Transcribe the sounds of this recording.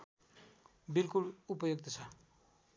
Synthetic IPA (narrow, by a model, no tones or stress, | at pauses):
bilkulupʌjoɡ̚t̪ʌt͡sʰʌ